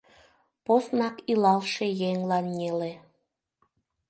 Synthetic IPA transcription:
posnɑkilɑlʃejeŋlɑnjele

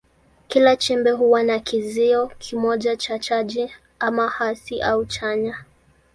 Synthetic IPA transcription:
kilat͡ʃɛmbɛɦuwanakʰiziɔkʰimɔʄat͡ʃat͡ʃaʄi | amahasiʔaut͡ʃaɲa

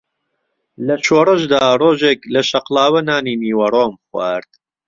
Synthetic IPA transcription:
lɐt͡ʃʰoːrɐʒd̪aːroːʒeːklɐʃɐqlˠaːwɐnaːniːniːwɐɾoːmxwaɾd̪̥

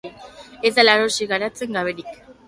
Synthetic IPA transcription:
ezd̪alaɾosiɣaɾat͡se̞ŋɡaβeɾik

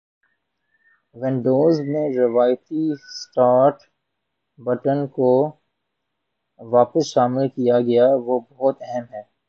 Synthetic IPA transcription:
ʋɛ̃nɖoːzmẽɾɐʋaːjt̪isʈaːɾʈ | bɐʈənko | ʋaːpəsʃaːmɪlkijaɡɐjaʋobɐɦʊt̪ɛɦɛmɦɛː

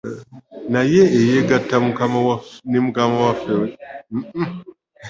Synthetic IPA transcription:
najeːjeɡatːamukamawanimukamawafewem̩

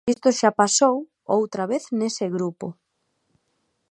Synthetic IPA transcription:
ist̪oʃapasow | owt̪ɾaβ̞eθnesɪɣɾupo̰

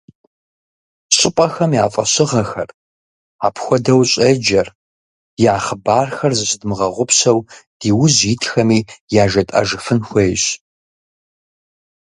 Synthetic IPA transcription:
ɕʼɪpʼɐxɐmjaːfʼɐɕɪʁɐxɐr | aːpʰxʷɔdɐwɕʼed͡ʒɐr | jaːχəbaːrxɐrzɨɕɪdmɨʁɐʁʷʊpʰsɐwd̥iːwʊzjɪtʰʼxɐmiːjaːʒɐtʼa̰ʒɨfɨnxʷeːjɕ

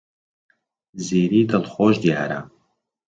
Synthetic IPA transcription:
ziːɾiːd̪ɐlxoːʒd̪ja̰ːɾɐ̰

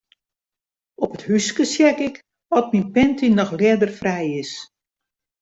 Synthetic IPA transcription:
ɔpəthyskəsjɛkɪk | ɔt̚minpɛntinɔxlɛdərfrɛjɪs

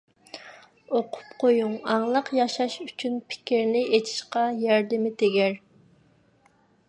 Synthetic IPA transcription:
oqʰʊ̥pqʰojuŋɑŋlˠəqjɑʃɑʃyt͡ʃʰynpʰɪ̥kʲiɾnɪet̪ʰi̥ʃqɑjɛɾd̪ɪmɪt̪ʰeɡʲæɾ

